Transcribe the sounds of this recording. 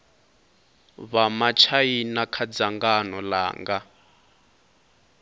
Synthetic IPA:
βamat͡ʃʰajinakʰad͡zaŋɡanɔla̰ːŋɡa

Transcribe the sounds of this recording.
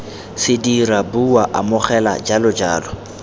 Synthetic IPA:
sɪdirabuwaʔamʊχɛla̰d͡ʒalʊd͡ʒaːlɔ

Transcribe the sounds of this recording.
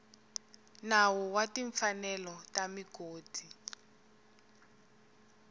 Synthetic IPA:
nawɔwatiɱfanɛlɔtamikoːti

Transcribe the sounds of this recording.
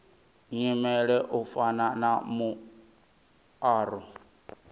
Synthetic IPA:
ɲimɛɺɛʔufananamu | aːɾɔ

